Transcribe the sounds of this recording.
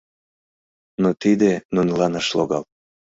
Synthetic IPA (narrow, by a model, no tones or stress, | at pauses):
not̪id̪enunlɑnɑʃloɣɑl